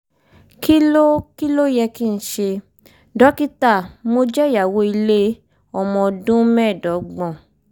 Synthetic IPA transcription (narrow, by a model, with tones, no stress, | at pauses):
ki˦lo˦ki˦lo˦jɛ˧ki˦˨n̩˦ʃe˧ | dɔ˨˦ki˦ta˦˨mo˧d͡ʒɛ˦˨ja˨wo˨˦i˧le˦ | ɔ˦˨mɔ̃˧dũ˦mɛ̃˦˨dɔ˨˦ɡ͡bɔ̃˦˨